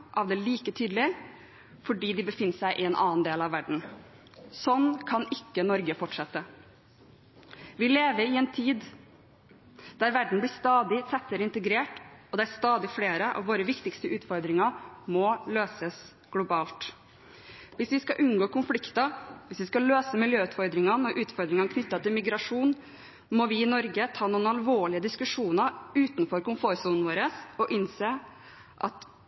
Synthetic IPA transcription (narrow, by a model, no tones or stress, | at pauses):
ʔɑʋd̪ɛliːkət̪ʰyːd̪lɪ | fɔɖiːd̪ɪbəfɪnːəsæɪʔɪɛnʔɑ̰ːnd̪eːlɑʋːæɖɳ̩ | sɔnːkʰɑnɪkːənɔɾɡəfɔʈʂɛt̪ːə | ʋɪleːʋəɾɪɛnt̪ʰiːd̪ | d̪̥æɾʋæɖɳ̩blɪst̪ɑːd̪ɪsʰɛt̪ːəɾəɪnt̪əɡɾeːʈɔd̪ɛæɾst̪ɑːd̪ɪfleːɾəʔɑ̰ʋʋoːɾəʋɪkt̪ɪkst̪əʉːt̪fɔɾd̪ɾɪŋɑmɔløːsəs | ɡ̥lʊbɑːlt̪ | ʋɪsʋɪskɑʔʉnɡoːkʊnflɪkt̪ɑʋɪsʋɪskɑløːsəmɪljøːʉːt̪fɔɾd̪ɾɪŋɑnɔɾʔʉːt̪fɔɾd̪ɾɪŋɑnəkʰnʏt̪ːɑt̪ʰɪlmɪɡɾɑʂuːn | mɔʋɪɪnɔɾɡət̪ʰɑːnuːnɑlʋoːɭɪəd̪ɪskʉʂuːnəɾʉːt̪nfɔɾkʊnfoːɾsuːnn̩ʋoːɾəsɔʔɪnseː | ʔɑ̰t̪